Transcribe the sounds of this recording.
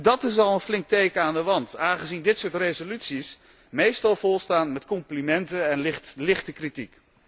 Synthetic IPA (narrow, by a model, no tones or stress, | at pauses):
dɑtɪs̬ɑlˠənflɪŋk̚tejkəaːndəʋɑntaːnχəzindɪtsʊːɹtrejzolytsis | mejstɑlˠvʊlˠstaːnmɛtkɔmplimɛntəɛnɪlɪχtəkritik